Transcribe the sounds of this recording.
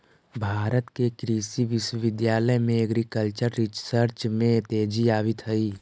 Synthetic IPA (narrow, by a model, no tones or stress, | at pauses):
bʱaːɾət̪kekɾiːsiʋɪʃwəʋɪd̪jaːləjmẽəɡɾikəlt͡ʃəɾːɪsəɾt͡ʃmẽt̪eːd͡ʒiaːʋɪt̪ɦəiː